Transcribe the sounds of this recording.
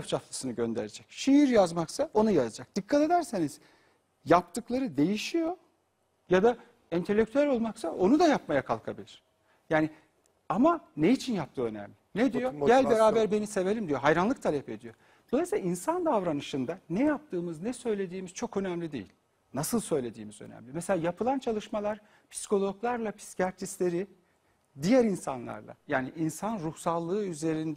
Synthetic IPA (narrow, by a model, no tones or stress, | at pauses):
ft͡ʃʰat̪lˠɯsɯnɯɟø̞nd̪e̞̰ɾed͡ʒɛcʃiiɾjazmaksao̞nujazad͡ʒak̚d̪̥ɯkʰːat̪e̞d̪æɾse̞niz̥ | jap̚t̪ʰɯklˠaɾɯd̪e̞jiʃijo̞ | jad̪a | int̪ʰe̞lʲːec̚t̪ʰyælʲo̞lˠmaksaʔo̞nud̪ajapmajakʰalˠkʰabilʲiɾ̥ | jaːni | amanejit͡ʃʰinjap̚t̪ʰɯːø̞næ̰mlʲɪnɛd̪ijo̞ɟælʲbeɾaːbæɾbe̞nise̞ve̞lʲimd̪ijo̞ɦajɾanlˠɯk̚t̪ʰalʲɛpe̞̰d̪ijo̞ | d̪̥olˠasilʲaʔinsand̪avɾanɯʃɯnd̪anɛjap̚t̪ʰɯːmɯznɛsø̞jlʲe̞d̪iːmiz̥t͡ʃʰo̞kø̞næmlʲid̪ejḭlʲ | nasɯlˠsø̞jlʲe̞d̪ḭːmizø̰næ̰mlʲimɛselʲaːjapʰɯlˠant͡ʃʰalˠɯʃmalˠaɾ | pʰi̥si̥kʰo̞lˠo̞klˠaɾlˠapʰi̥scaɾt̪ʰislʲe̞ɾi | d̪ijæɾinsa̰nlˠa̰ɾlˠa̰jaːniʔinsanɾuhsalˠːɯːyze̞ɾind̪ɛ